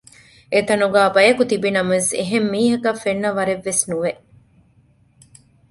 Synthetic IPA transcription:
et̪ɐnuɡæːbɐjɐkut̪ibinɐmɐseɦemːiːɦɐkɐfːenːɐʋɐɾeʋːesnuʋeʔ

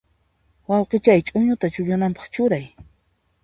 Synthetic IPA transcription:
wɑwqet͡ʃajt͡ʃʼʊɲʊt̪at͡ʃʊʎʊnampɑ̥χt͡ʃʊɾaj

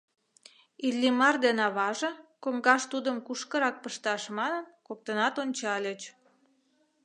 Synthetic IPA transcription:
ilʲːimɑrd̪enɑβɑʒɤ̆koŋɡɑʃt̪ud̪əmkuʃkə̆ɾɑk̚pəʃt̪ɑʃmɑnənkok̚t̪ənɑt̪onʲt͡ɕɑlʲet͡ɕ

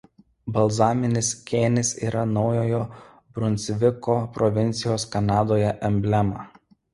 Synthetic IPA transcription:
bɐlˠzɑːmʲɪnʲɪskʲeːnʲɪsḭːɾɐnɒʊjoːjoː | bɾʊnʲt̪sʲʋʲɪkoːpɾɔʋʲɪnʲt̪sʲɪjoːskɐnɑːd̪oːjɛʔɛmʲbʲlʲɛmɑ

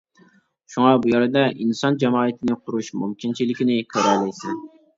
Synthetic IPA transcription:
ʃuŋɑbujɑɾɨd̪ɛʔinsɑnd͡ʒɛmɑːɨt̪ʰɪnɪqʰʊɾuʃmumkʲint͡ʃʰilɪkʲɪnɪkʲʰøɾɛlɛjsɪn

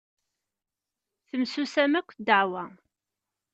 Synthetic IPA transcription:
θəmsusæmækʷːd̪əʕwæ

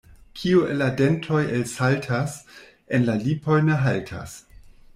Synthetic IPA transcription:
kʰiueladentʰo̞jelsaltʰas | enlalipo̞jneɦaltʰa̰s

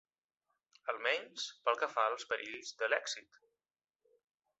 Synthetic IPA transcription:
əlˠmɛɲspəlˠkəfalˠspəɾʔiʎzðəlɛksit̪

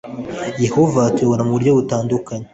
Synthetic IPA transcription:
je̞ho̞vaːtoβoɾamuuɾɟoβutaːndukaɲe

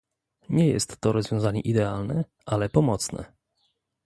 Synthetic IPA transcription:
ɲɛjɛ̰st̪ːɔɾɔzvʲjɔ̃w̃zaɲɛʔid̪ɛalnɛ | ʔalɛpɔmɔt̪snɛ̰

